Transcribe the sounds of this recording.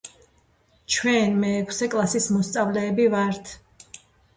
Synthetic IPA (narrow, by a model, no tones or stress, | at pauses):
t͡ʃʰwɛnmɛːkʰsɛkʼlˠasismɔst̪sʼavlɛːbivaɾt̪ʰ